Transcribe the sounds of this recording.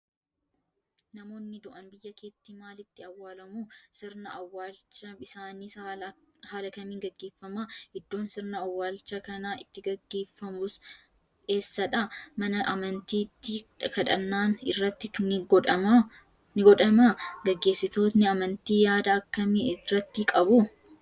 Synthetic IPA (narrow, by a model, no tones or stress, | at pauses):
nɐmo̞ːnːɪd̪ʊʔɐnbɪjːɐkeːt̪ːimaːlɪt̪ːɪɐwːaːlɐmuːsɪɾnɐɐwːaːlt͡ʃːɐɪsaːniːs | haːlɐkɐmiːŋɡɐɡːe̞ːfːɐmahɪd̪ːo̞ːnsɪɾnɐɐwːaːlt͡ʃːɐkɐnaɪt̪ːɪɡɐɡːeːfːɐmʊs | e̞ːsːɐᶑɐmɐnɐʔɐmɐnt̪iːt̪ːɪkɐᶑɐnːaːnɪ̰rːɐt̪ːɪnɪɡᶑɐ | nɪɡɔᶑɐmaɡɐɡːe̞ːsːɪt̪o̞ːt̪nɪɐmɐnt̪iːjaːd̪ɐːkːɐmɪrːɐt̪ːɪkʼɐbʊ